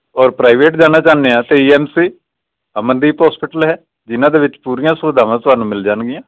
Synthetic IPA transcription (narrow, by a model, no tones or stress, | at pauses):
ɔːɾpɾaːɪʋeːʈd͡ʒaːnaːt͡ʃaːnːeãːt̪eːiːɛːmsiː | əmənd̪iːpɦɔːspɪʈəlɦɛː | d͡ʒɪnãːd̪eːʋɪt͡ʃpuːɾɪjãːsʊʋɪd̪ãːʋãːt̪ʊɦaːnũːmɪld͡ʒaːnɡɪjãː